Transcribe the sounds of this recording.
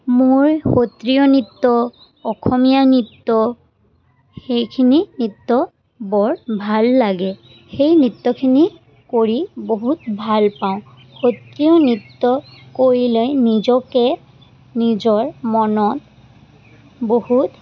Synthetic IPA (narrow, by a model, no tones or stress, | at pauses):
moɹxotɹiɔnitːɔ | ɔkʰɔmijanitːɔ | xejkʰininitːɔ | bɔɹbʱalːaɡɛ | xejnɹitːɔkʰini | koɹiboɦutbʱalpaʊ̃ | xotɹiɔnɹitːɔkoɹilojnizɔkɛ | nizɔɹmɔnɔt | bohut